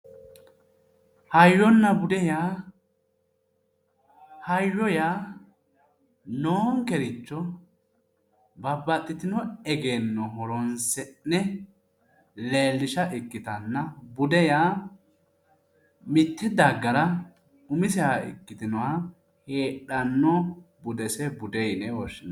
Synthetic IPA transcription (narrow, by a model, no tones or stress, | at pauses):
hɐjːɔnːɐbʊd̪ɛjaː | hɐjːɔjaː | noːŋkɛɾɪt͡ʃːɔ | bɐbːɐt̪ʼːɪt̪ɪnɔɛɡe̞ːnːɔɦɔɾɔnsɛnːɛ | le̞ːlːɪʃɐʔɪkːɪt̪ɐnːɐbʊd̪ɛjaː | mɪt̪ːɛd̪ɐɡːɐɾɐ | ʊmɪsɛhaɪ̰kːɪt̪ɪnɔwɐ | heːᶑɐnːɔbʊd̪ɛsɛbʊd̪ɛjnɛwɔʃːɪn